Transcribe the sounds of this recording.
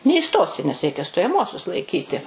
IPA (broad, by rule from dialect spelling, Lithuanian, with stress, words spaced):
nʲɛiːˈstoːsʲɪ nʲɛs ˈrʲɛɪkʲɛ stoːjɛˈmuɔsʲʊs lˠɐɪˈkʲiːtʲɪ